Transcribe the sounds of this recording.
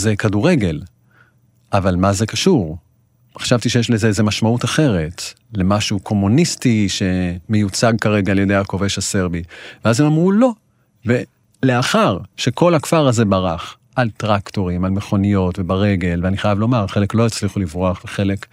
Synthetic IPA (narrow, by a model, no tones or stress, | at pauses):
zekaduʁe̞ɡe̞l | ʔavalmaze̞kaʃuʁ | eχaʃavtiʃejeʃlezeeze̞maʃmautaχe̞ʁe̞t | le̞maʃukʰo̞munistiʃe̞me̞jut͡saɡ̚kaʁe̞ɡaːljedejhako̞ve̞ʃase̞ʁbiveazemamʁulo̞ | ve | le̞aχaʁʃe̞ko̞lakfaʁaze̞baʁaχ | ʔaltʁakto̞ʁimalme̞χo̞nijo̞tvebaʁe̞ɡe̞lveaniχajavlo̞maʁχe̞le̞klo̞jet͡sliχulivʁoaχveχe̞le̞k